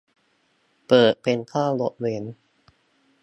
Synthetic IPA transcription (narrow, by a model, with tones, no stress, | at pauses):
pɤː˨˩t̪̚pe˧nkʰaː˥˩lo˦˥t̪̚we˧˥n